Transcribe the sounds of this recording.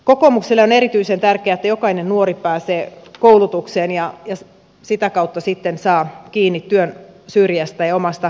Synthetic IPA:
kokoːmukselːeoneɾit̪yisent̪ærkeæet̪ːæjokɑinennuoripæːseːkoulut̪ukseːnjɑjɑ | sit̪ækɑut̪ːɑsit̪ːensɑːkiːnːit̪t̪yønsyːrjæst̪æjɑomɑst̪ɑ

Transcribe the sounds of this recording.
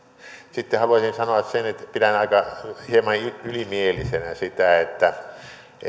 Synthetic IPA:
sit̪ːehɑluɑsinsɑnoɑssenet̪pitænɑikɑhiemɑnyylimielisenæsit̪æet̪ːæ

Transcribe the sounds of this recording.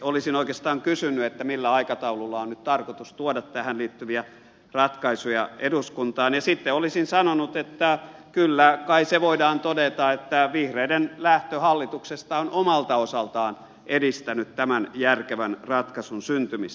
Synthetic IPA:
olisinoikest̪ɑːŋkysynːyet̪ːæmilːæɑikɑt̪ɑululːɑonnyt̪t̪ɑrkot̪ust̪uodɑt̪tæhænliːt̪ːyʋiæ | rɑt̪kɑisujɑeduskunt̪ɑːnjɑsit̪ːeolisinsɑnonut̪et̪ːækylːækɑiseʋoidɑːnt̪odet̪ɑet̪ːæʋihreidenlæht̪øhɑlːit̪uksest̪ɑonʔomɑlt̪ɑosɑlt̪ɑːn | ʔedist̪ænyt̪tæmænjærkeʋænrɑt̪kɑsunsynt̪ymist̪æ̥

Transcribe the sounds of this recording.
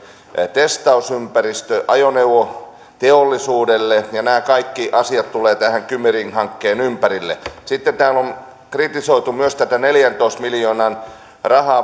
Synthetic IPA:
t̪est̪ɑusympærist̪øʔɑjoneuʋo | t̪eolːisuːdelːejɑnæːkɑikːiʔɑsiɑt̪t̪uleːt̪æhæŋkymerinhɑŋkːeːnympærilːḛsit̪ːent̪æːlon | krit̪isoit̪umyøst̪æt̪æneljænt̪oist̪miljoːnɑn | rɑhɑː

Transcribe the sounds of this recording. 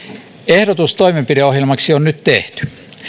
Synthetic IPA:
ehdot̪ust̪oimempideohjelmɑksionnyt̪t̪ḛht̪y̥

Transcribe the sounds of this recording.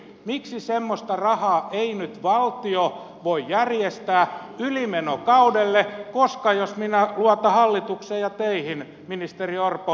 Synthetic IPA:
miksisemːost̪ɑrɑhɑːʔeinyt̪ʋɑlt̪io | ʋoijærjest̪æːylimenokɑudelːekoskɑjosminæluɑt̪ɑhɑlːit̪ukseːjjɑt̪eihin | minist̪eriorpo

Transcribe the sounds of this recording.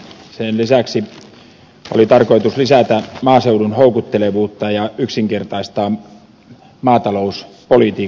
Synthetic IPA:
senlisæksi | o̰lit̪ɑrko̞it̪uslisæt̪æmɑːseudunhoukut̪ːeleʋuːt̪ːɑjɑyksiŋkert̪ɑist̪ɑː | mɑːt̪ɑlouspolit̪iː

